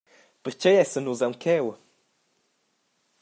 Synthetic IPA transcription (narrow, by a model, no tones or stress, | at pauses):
pəɾt͡ɕejɛsənuzawŋkʰɛw